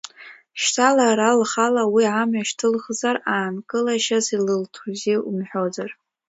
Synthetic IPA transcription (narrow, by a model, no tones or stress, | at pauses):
ʃtʰalaɾalχalawiʕamɥaʃtʰɨlχzaraːnkʼɨlaʃazilɨltʰuzeʔumħʷᶣo̞d͡zar